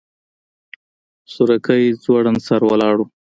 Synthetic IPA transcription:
sʊɾakəjzwaɽansaɾwalɑɽu

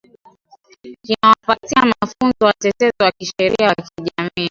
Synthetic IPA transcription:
kinawafatiamafunzɔwatɛtɛzɔwakiʃɛɾḭawkiʄamiː

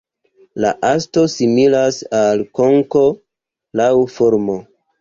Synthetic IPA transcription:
la̰ʔasto̞similasalkoŋko | lawfoɾmo

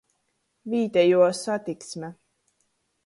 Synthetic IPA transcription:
viːt̪ɛjuɔsat̪iksmʲɛ

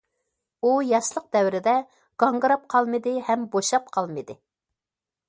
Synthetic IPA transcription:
ujɑʃlˠəq̚d̪ɛwɾɪd̪ɛ | ɡ̥ɑŋɡɾɑp̚qʰɑlˠmɨd̪ɨhɛmboʃɑp̚qʰɑlˠmɨd̪ɪ

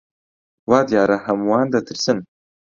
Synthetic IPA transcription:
waːd̪jaːɾahamwaːnd̪at̪əɾsən

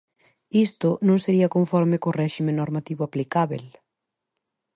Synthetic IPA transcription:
ist̪ʊnõŋseɾiɐkoɱfɔɾmɪkʊrɛʃimẽnoɾmat̪iβʊaplikaβḛl

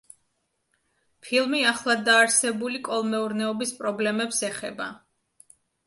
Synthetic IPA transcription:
pʰilˠmiaχlˠad̪aːɾsɛbulikʼɔlˠmɛuɾnɛɔbispʼɾɔblɛmɛpsɛχɛ̰ba̰

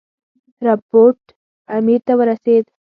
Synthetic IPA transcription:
ɾəpoɾʈ | amiɾt̪əʋəɾəset̪

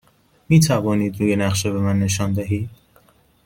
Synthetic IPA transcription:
miːt̪ʰævɒːniːd̪ɾuːjenæχʃebe̞mænːe̞ʃɒːnd̪æɦiːd̪̥̚

